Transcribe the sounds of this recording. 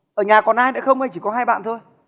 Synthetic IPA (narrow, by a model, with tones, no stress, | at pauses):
ʔəː˧˩ɲaː˨˩kɔ˨˩nʔaː˧jnɛ̰˧˥xə˧wŋ͡mhə˧jt͡ɕi˧˩kɔ˨˦haː˧jɓa̰ː˧˨nt̪ʰo˧j